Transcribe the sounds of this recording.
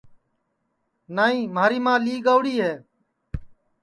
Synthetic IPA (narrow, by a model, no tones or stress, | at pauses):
naːĩːmaːɾiːmãːliːɡaːʋʊɽiːɦeː